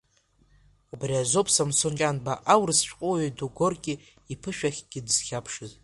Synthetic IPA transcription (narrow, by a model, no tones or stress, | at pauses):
ubriazopʰsamsont͡ʃʲʼanbaʔawrɨsʃʷᶣʼqʼoɥaduɡʷorkʲʼɪ | ipʰɨʃᶣaχʲɡ̥ʲɪdɨz̥χʲapʰʂɨz